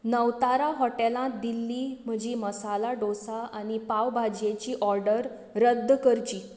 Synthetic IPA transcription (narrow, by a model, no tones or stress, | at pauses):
nəʋt̪aɾaɦɔʈelãt̪d̪ilːiːm̤əd͡ʑiːməsalaɖosaaɽ̃ipaʋbʱad͡ʑjet͡ɕiːʔɔɾɖəɾ | ɾəd̪ʱːkəɾt͡ɕiː